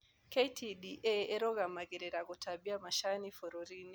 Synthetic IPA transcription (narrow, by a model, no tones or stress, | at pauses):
ketʰiɗiʔɛɛɾɔɣamaɣɛɾɛɾaɣɔtʰabiamaʃanifɔɾɔɾini